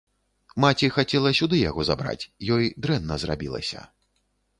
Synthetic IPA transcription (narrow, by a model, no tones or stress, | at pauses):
mat͡sʲixat͡sʲɛlˠɐsʲud̪ɨjaɣɔza̰bɾa̰t͡sʲjɔjd̪ɾɛnːɐzra̰bʲilˠɐ̰sʲɐ̰